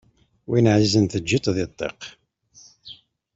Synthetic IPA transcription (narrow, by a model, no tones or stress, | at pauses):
winəʕzizənθəd͡ʒːit̪ˤðɪt̪ˤːḛq